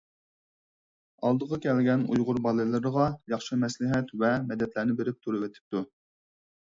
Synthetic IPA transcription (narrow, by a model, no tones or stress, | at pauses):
ɑlˠd̪əʁɑkʲʰɛlɡʲɛnujʁʊɾbɑlˠɨlˠɨɾəʁɑjɑχʃɨmɛslɪɦɛt̪vɛmɛd̪ɛt̪læɾnɪbɪɾɪp̚t̪ʰuɾɨwɪt̪ʰɪ̥p̚t̪u